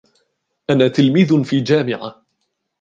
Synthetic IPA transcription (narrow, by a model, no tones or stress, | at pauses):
ʔanaːt̪ɪlmiːðfiːd͡ʒaːmɪʕa̰